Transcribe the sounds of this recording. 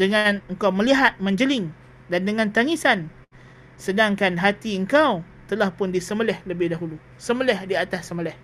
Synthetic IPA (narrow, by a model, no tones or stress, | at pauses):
dəŋanəŋkawməliɦat̪̚mə̃ɲd͡ʒəlɪŋ | dandəŋãnt̪aŋisan | sədaŋkanɦat̪iəŋkaw | t̪əlahpʊndisəməlɛhləbɪhdaɦulu | səməlɛhdiat̪asːəməlɛh